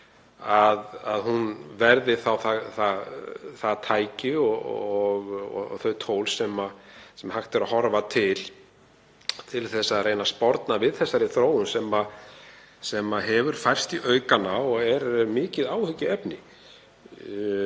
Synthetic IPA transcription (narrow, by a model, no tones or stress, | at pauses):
aðaðhunvɛɾðɪθawθaθaθat̪ʰaːjcɪɔɔɣɔ̰θœɥt̪ʰoːwlsɛmasɛmhaxt̪ɪɾahɔɾvat̪ʰɪl | t̪ʰɪlθɛsːaðreːjnaspɔɾt̪navɪðθɛsːaɾɪθɾoːwʏnsɛma | sɛmaɦɛvʏɾ̥fajr̥st̪iʔœːɥkanaɔɣɛɾmɪːcɪðaːwhʏcɪɛpnɪ